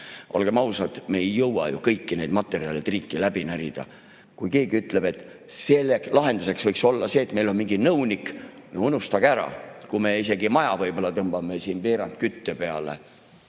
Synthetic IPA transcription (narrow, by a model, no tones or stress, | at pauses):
ʔo̞̰lɡ̥emɑwsɑt̪me̞ːjːɤwwɑ̰jṵkɤjkːine̞jd̪mɑt̪ːˑe̞ɾiɑ̰let̪riːkːˑilæb̥inæɾid̪̥ɑ̰ | kujke̞ːɡ̥iyt̪ˑle̞b̥e̞t̪ːˑ | se̞lːeklʔɑɦe̞nd̪̥use̞ksvɤjkso̞lːɑse̞ːt̪ːmelo̞nmiŋɡinɤwnik | nounust̪ɑɡ̥æɾɑ̰kume̞ise̞ɡimɑjɑvɤjbo̞lːɑt̪ɤmb̥ɑmesiːnpe̞ːɾɑnt̪̚kyt̪ːøpe̞ɑlḛ